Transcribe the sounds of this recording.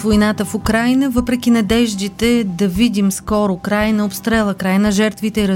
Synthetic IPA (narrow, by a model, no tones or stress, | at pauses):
vojnat̪əfʊkɾajnəvəpɾɛk̟ʲinɐd̪ɛʒd̪it̪ɛd̪ɐvid̪imskɔɾʊkɾajnɐopst̪ɾɛlˠəkɾajnɐʒɛɾt̪vit̪ɛiɾ